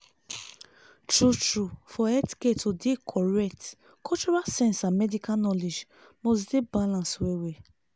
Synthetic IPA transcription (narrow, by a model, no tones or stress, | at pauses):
tɹutɹufɔɛti̥ketodekʰɔɹɛk̚t | kut͡ʃɔɹasɛ̃nsãmɛdikanɔled͡ʒ | mos̬debalãnswewe